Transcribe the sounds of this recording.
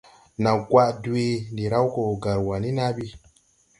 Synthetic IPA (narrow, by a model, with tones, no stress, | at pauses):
na˨ɡwa˦ʔdu˦e˦ndi˨ɾa˦wko˨ɡa˨ɾwa˨ni˦na˦bi˦